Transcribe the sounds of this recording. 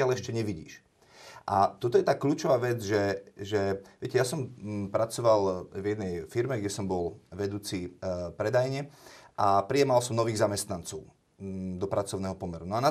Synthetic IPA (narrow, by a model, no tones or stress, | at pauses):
ɪalɛʃcɛɲɛʋiɟḭːʃ | ʔat̪ɔt̪ɔjɛt̪aːkʎuːt͡ʃɔʋaːʋɛd͡zʒɛʒɛʋɪɛcɛjasɔmpɾat͡sɔʋalvjɛd̪nɛjfiɾmɛɡɟɛsɔmbɔlʋɛd̪uːt͡sipɾɛd̪ajɲɛʔapɾijɛmalsɔmnɔʋiːɣzamɛst̪nant͡sɔʊ | d̪ɔpɾat͡sɔʊnɛːɦɔpɔmɛɾunɔana